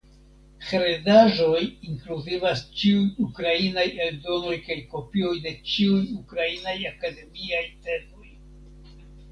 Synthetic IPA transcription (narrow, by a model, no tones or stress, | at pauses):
xɾedaʒo̞jiŋkluzivast͡ʃiujukɾainajeldo̞no̞jkajko̞pio̞jde̞t͡ʃiujukɾainajakade̞miajte̞mo̞j